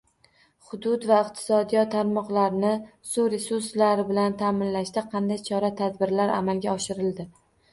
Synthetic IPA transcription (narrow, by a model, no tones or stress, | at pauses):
χʊd̪ʊd̪vaɪqt̪ʰɪ̥sɒd̪ijɒt̪ʰːaɾmɒqlˠaɾnɪ | sʊɾe̞suɾslaɾɪbɪlant̪ʰamɪnlaʃd̪aqʰɑnd̪ajt͡ʃʰɒɾat̪ʰad̪̚bɪɾlaɾa̰malɡʲaɒʃɪɾɪld̪ɪ